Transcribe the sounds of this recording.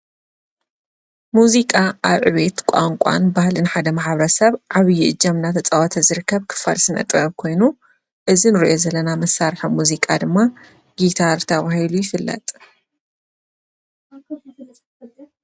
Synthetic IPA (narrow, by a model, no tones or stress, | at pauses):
muzikʼaʔaβʕɨβet̪kʷʼa̰ŋkʷʼa̰nbahlɨnħad̪ɐmaħaβɾɐsɐβʕaβjiʔɨd͡ʒːɐmnat̪ʰɐt͡sʼawɐt̪ʰɐzɨɾɨkʰːɐβkʰɨ̥falsɨnʔɐ̰t̪ʼɐβkʰo̞jnu | ʔɨzinɨɾiʔo̞zɐlːɐnamɐsːaɾħɐmuzikʼad̪ɨmːa | ɡit̪ʰaɾt̪ʰɐβahilujɪfɨlːɐ̰t̪ʼ